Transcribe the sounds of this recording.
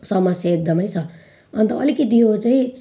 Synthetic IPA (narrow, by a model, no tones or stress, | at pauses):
sʌmʌsjʌek̚d̪ʌmʌjt͡sʰʌ | ʌnt̪ʌʌlikit̪iot͡sai